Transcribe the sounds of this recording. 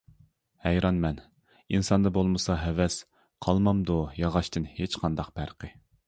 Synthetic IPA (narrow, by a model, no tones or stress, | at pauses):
hɛjɾɑnmɛn | insɑnd̪ɑbolˠmɨsɑɦɛvɛs | qʰɑlˠmɑmd̪ujɑʁɑʃt̪ɨnhet͡ʃqʰɑnd̪ɑqb̥æɾqʰə